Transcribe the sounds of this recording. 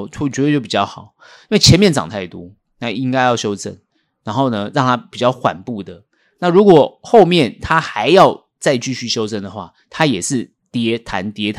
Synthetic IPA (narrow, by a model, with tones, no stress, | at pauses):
t͡ɕɥɛ˧˥twt͡ɕo˥˩pi˨˩t͡ɕjɑ˥˩ʊxɑ˨˩˦ʊ | i˥nwe˥˩ɪt͡ɕʰjɛ˧˦nmjɛ˥˨nt͡sɑ̰˨˩ŋt̪ʰa˥˩ɪt̪wɔ˦˥ | na˥˧i˦ŋka˥ɪjɑ˥˩ʊɕjo˥ʊt͡sə˥˩n | ɻa˧˥nxo˥˩ʊnə˩ɻɑ˥˨ŋt̪ʰa˥pi˨˩t͡ɕjɑ˥˩ʊxwa̰˨˩npu˥˩d̪ə˩ | na˥˨ɻu˧˥kwɔ˨˩xo˥˧ʊmjɛ˥˨nt̪ʰa˥xa˧˦ɪjɑ˥˧ʊ | t͡sa˥˧ɪt͡ɕy˥˧ɕy˥˩ɕjo˥ʊt͡sə˥˩nd̪ə˩xwa̰˥˩ | t̪ʰa˥jɛ˨˩ʂɻ̩˥˩ | t̪jɛ˧˥t̪ʰa̰˧˥nt̪jɛ˧˥